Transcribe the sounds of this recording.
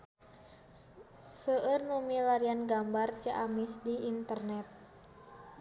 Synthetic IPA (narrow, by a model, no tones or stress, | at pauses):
səərnumilaɾianɡambart͡ʃəʔamisdiːnt̪ərnɛt̪̚